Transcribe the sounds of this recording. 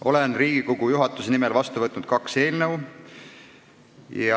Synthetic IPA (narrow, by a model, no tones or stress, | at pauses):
ʔo̞lenriːɡ̥iko̞ɡujuɦɑt̪ːˑusenimelvɑst̪uvɤt̪nud̪̥kɑkse̞ːlnɤw | jɑ